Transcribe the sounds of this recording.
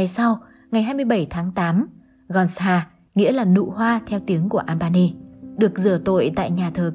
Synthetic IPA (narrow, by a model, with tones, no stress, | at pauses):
a˨˩jsa˧w | ŋa˨˩jɦaː˧jmɨ˧əjɓə˧˩jt̪ʰaː˨˦ŋt̪aː˨˦m | ɣɔ˧˩nsaː˧ | ŋḭ˧˥laː˨˩nṵ˧˨hwaː˧t̪ʰɛ˧wt̪i˨˦əŋku˧˩əʔaː˧mɓaː˧ne˧ɗɨ˨˩ək̚zɨ˧˩ət̪o̰˧˨jt̪a̰ː˧˨jɲaː˨˩t̪ʰəː˨˩